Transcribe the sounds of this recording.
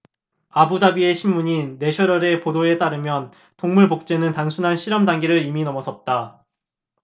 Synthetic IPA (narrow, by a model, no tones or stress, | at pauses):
abudabie̞ɕʰimːuɲinːe̞ɕʰʌɾʌɾe̞podoe̞t͈aɾɯmjʌn | toŋmuɭbok̚t͡ɕ͈e̞nɯntaŋsʰunɦanɕʰiɾʌmdaŋɡiɾɯɾiminʌmʌsʰʌt̚t͈a